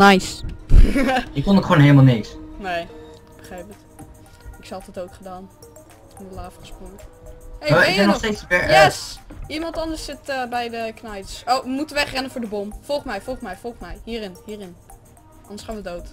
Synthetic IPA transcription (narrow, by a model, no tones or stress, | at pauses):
najs | ɪkkɔnokχʋoːnɦeləmalˠnɪksnej | ɪɡ̚bəχrɛjpət | ɪksɑlˠtɛdowkχədaːn | ɪndəlaːfəχəsproŋ | eɛnɔstejsɛjɛsimɑntɑndəɹssɪtəbɛjdəknajtsowʋəmutəʋɛχrɛnəfʊːɹdəbomfɔlˠχmɛjfɔlˠχsmɛjfɔlˠχmɛjhiːɾɪnhiːrɪn | ɑndəsχaːnʋədowt